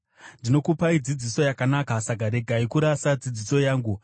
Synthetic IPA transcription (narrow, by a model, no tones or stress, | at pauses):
ndino̞kupaid͡zid͡ziso̞jakanakasaɡʱaɾe̞ɡʱaikuɾasad͡zid͡ziso̞jaːŋɡu